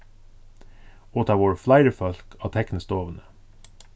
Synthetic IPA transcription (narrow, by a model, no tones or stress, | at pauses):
oːt̪ʰɑːʋoːɹflɑɪəɹfɔlkʰɑːt̪ʰɛknəst̪oːʋənə